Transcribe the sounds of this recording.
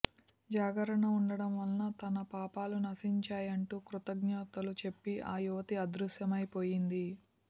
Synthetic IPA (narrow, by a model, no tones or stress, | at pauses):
d͡ʒaːɡɐɾɐɳɐuɳɖɐɽɐmʋɐlnɐt̪ɐnɐpaːpaːlunɐsiɲt͡ʃaːjɐɳʈuːkɾut̪ɐɡɲɐːt̪ɐlut͡ʃe̞pːiʔaːjuʋɐt̪iɐd̪ɾuʃjɐmɐjpo̞ːjind̪i